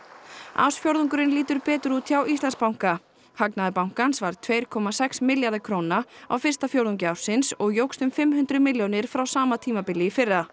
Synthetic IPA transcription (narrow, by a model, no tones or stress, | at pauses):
a̰wsfjowɾðuŋk̬ʏɾɪnliːt̪ʏɾpɛːt̪ʏɾut̪ʰjawist̪lanspawŋ̥ka | haknaðɪpawŋ̥kansvaɾ̥t̪ʰveːjɾ̥kʰɔːmasɛksmɪljaɾðɪkʰɾownaa̰wfɪr̥st̪afjowɾðuŋcɪaw̥sɪnsɔɣjowkst̪ʏmfɪmhʉnt̪ɾʏmɪljownɪɾ̥fɾawsaːmat̪ʰiːmapɪlːɪfɪra